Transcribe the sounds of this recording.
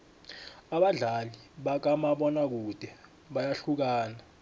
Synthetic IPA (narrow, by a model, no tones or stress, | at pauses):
aɓaɮaliɓak̬amaɓɔnak̬ud̥ʱɛ | ɓajaɬuk̬aːna